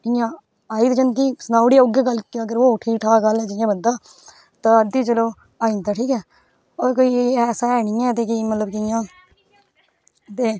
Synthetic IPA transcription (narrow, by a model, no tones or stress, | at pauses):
ɪjãː | aːiːt̪t͡ʃənt̪iːsənaːʊɽiːaʊɡeːɡəlkəɡəɾoːʈʰiːkʈʰaːɡəlɛːd͡ʒɪjãːbənd̪aː | t̪ãːəd̪iːt͡ʃəloː | aːĩnt̪aːʈʰiːkɛː | ɔːɾkoːiːɛːsaːɛːɽ̃ɪːɛ̃ːt̪eːkimət̪ləbkɪɪjãː | t̪eː